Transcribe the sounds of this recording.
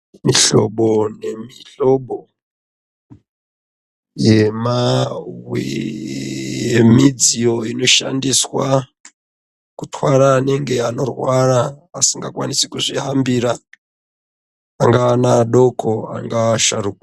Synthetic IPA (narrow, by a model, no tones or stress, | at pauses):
miɬo̞̰ɓo̞ne̞miɬo̞ɓo̞ | jemawwi | jemid͡zijo̞ino̞ʃa̰ndiswa | kutwaɾaːne̞ŋɡe̞ano̞rwaraːsiŋɡakwanisekuʐiɦambiɾa | aŋɡaːnaɗo̞kʰo̞a̰ŋɡaːʃaruːka